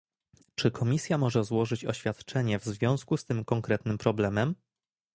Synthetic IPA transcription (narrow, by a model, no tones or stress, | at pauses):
t͡ʂɘkʰɔmʲisʲjamɔʐɛzwɔʐɘt͡ɕɔ̰ɕfʲjat̪t͡ʂɛɲɛvzvʲjɔ̃w̃skust̪ɘmkɔŋkɾɛt̪nɘmpɾɔblɛmɛm